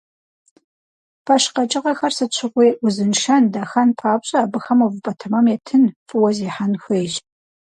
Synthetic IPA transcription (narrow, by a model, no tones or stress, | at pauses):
pʰɐʃqɐt͡ʃʼɪʁɐxɐrsɨt͡ʃʷʰɪʁʷeːʔʊzɨnʃɐndaxɐnpʰaːpɕʼɐːbɨxɐmuvɨpʼɐtʰɐmɐmetʰɨnfʼɨwɐziːħanxʷeːʒ